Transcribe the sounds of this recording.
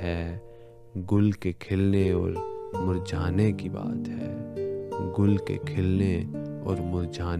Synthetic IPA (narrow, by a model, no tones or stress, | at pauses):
ɦɛː | ɡʊlkekʰelneɔːɾmʊɾd͡ʒʱaːnekiba̰ːt̪ɦɛ̰ː | ɡʊlkḛkʰeːlne | ɔːɾmʊɾd͡ʒʱaːn